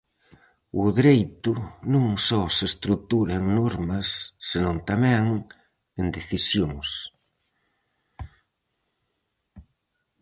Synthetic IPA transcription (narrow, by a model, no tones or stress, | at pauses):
ʊðɾejt̪ʊnũŋsɔsest̪ɾut̪uɾɐeŋnɔɾmɐsːenõnt̪amɛŋ | end̪eθisjoŋs